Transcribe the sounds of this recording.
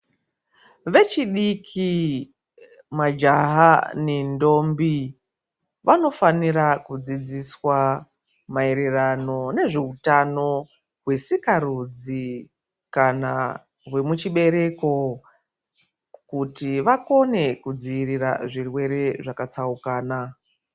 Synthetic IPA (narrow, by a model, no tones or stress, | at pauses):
ʋe̞t͡ʃiɗikʰi | mad͡ʒaɦanendo̞mbi | ʋano̞faniɾakud͡zid͡ziswa | mae̞ɾerano̞ne̞ʐe̞utano̞ | ɦwe̞sikaɾud͡zi | kana | ɦwe̞mut͡ʃiɓe̞ɾe̞ko̞ | kutiʋako̞ne̞kud͡ziiɾira̰ʐirwe̞ɾe̞ʐakat͡saukaːna